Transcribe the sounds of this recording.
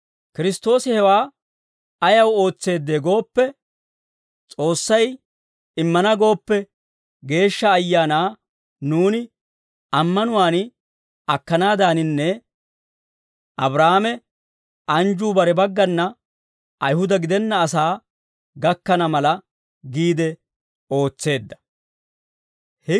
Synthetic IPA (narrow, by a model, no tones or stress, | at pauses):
kɪɾɪst̪o̞ːsɪhɛwaː | ɐjɐwo̞ːt͡sːe̞ːd̪ːe̞ːɡo̞ːpːɛ | t͡sʼo̞ːsːɐj | ɪmːɐnɐɡo̞ːpːɛ | ɡe̞ːʃːɐːjːaːnaː | nuːnɪ | ɐmːɐnʊwaːn | ɐkːɐnaːd̪aːnɪnːɛ | ʔɐbɾaːmɛ | ʔɐnd͡ʒuːbɐɾɛbɐɡːɐnːɐ | ɐjhʊd̪ɐɡɪd̪ɛnːɐːsaː | ɡɐkːɐnɐmɐlɐ | ɡiːd̪ɛ | o̞ːt͡sːe̞ːd̪ːɐ̥ | hɛ